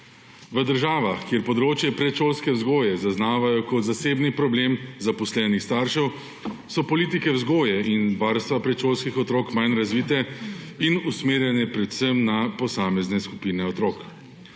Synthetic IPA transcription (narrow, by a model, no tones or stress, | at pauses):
ʋəd̪əɾʒaːʋaxkjeɾpɔd̪ɾoːt͡ʃjɛpɾɛt͡ʃoːlskɛwzɡoːjɛzaznaːʋajɔkɔt̪zaseːbnipɾɔbleːmzapɔslɛːnixst̪aːɾʃɛw | sɔpɔliːt̪ikɛwzɡoːjɛinʋaːɾst̪ʋapɾɛt͡ʃoːlskixɔt̪ɾoːkmajnɾazʋit̪ɛinusmeːɾjɛnɛpɾɛt̪səmnapɔsaːmɛznɛsku̥piːnɛɔt̪ɾoːk